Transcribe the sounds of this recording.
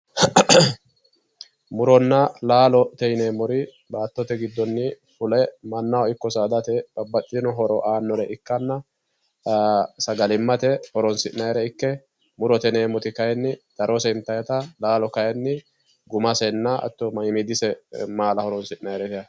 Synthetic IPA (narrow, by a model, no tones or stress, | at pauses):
mʊɾɔnːɐlaːlɔt̪ɛjneːmːɔɾɪ | baːt̪ːɔt̪ɛɡɪd̪ːɔnːɪ | fʊlɛmɐnːɐwɪkːɔsaːd̪ɐt̪ɛb̥ɐbːɐt̪ʼːɪnɔɦɔɾɔʔaːnːɔɾɛʔɪkːɐnːɐ | sɐɡɐlɪmːɐt̪ɛhɔɾɔnsɪʔnɐjɾɛɪkːɛ | mʊɾɔt̪ɛneːmɔt̪ɪkɐjɛnːɪd̪̥ɐɾɔsɛɪnt̪ːɐjɐt̪ɐlaːlɔkɐjɛnːɪ | ɡʊmɐsɛnːɐɐ̰t̪ːɔmɐɪmid̪ɪsɛmaːlɐhɔɾɔnsɪʔnɐjɾɛt̪ɐ